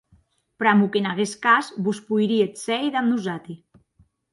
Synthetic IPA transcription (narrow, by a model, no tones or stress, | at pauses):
pɾamukenaɣeskasbuspujɾiet̪sɛjðamnuzat̪i